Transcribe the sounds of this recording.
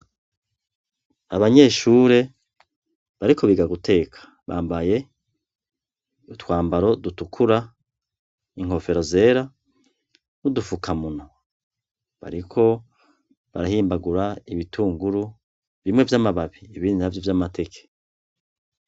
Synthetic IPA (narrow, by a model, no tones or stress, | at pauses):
aβaɲe̞ːʃuːɾe̞ | βaɾikʰo̞βiɡaɡutʰe̞ːkʰḁ | βa̰ːmbaje̞ | utwaːmbaɾo̞dutukʰuɾa | iŋ̥o̞fe̞ɾo̞ze̞ɾa | nudufukʰamuno | βa̰ɾikʰo̞ | βaɾahiːmbaɡuɾaiβitʰuːŋɡuɾu | vimŋevjamaβaβiːβiːndinavjovjamate̞kʰe̥